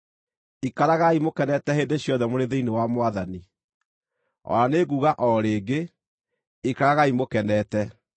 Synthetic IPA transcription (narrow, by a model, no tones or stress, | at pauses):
ikaɾaɣaimokɛnɛtɛheːndeɕjɔðɛmoɾeðeinewamwaðani | ɔ̰ɾaneɣuːɣaʔɔɾeːɡe | ikaɾaɣaimokɛnɛːtɛ